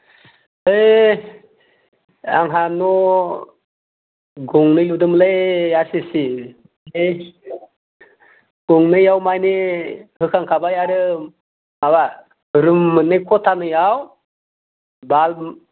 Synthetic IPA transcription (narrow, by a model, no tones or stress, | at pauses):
ɯj | a̰ŋɦanɔ | ɡɔŋnɯjludɯmlejasisi | ej | ɡ̥ɔŋnɯjawmajnihɯkʰaŋkʰabajaɾɯ | maba | ɾɯmːɯnɯjkʰɔtʰanɯjaw | bal